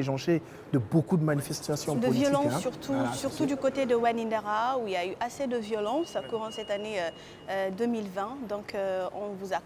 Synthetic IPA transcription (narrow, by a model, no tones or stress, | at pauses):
eʒɑ̃ʃe | d̪əbokud̪əmanifɛst̪asjɔ̃d̪əlvijɔlɑ̃ssyʁt̪ʰusyʁt̪ud̪ykot̪ed̪əwanind̪aʁauiljayʔased̪əvjɔlɑ̃sakuʁɑ̃sɛt̪aneø | ød̪ømilvɛ̃d̪ɔ̃køɔ̃vuza